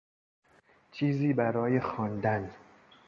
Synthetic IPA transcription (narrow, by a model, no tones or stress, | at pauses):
t͡ʃʰiːziːbæɾɒːjexɒːnd̪æn